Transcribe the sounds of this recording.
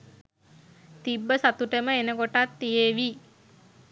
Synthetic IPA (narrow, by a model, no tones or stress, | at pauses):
t̪ibːəsat̪uʈəməenəkoʈat̪ːijeʋi